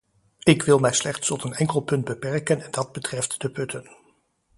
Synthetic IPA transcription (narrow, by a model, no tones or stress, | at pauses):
ɪkʋɪlˠmɛjslɛχtstɔtənɛŋkəlˠpɵnd̚bəpɛɹkənɛndɑd̚bətrɛftd̥əpɵtʰən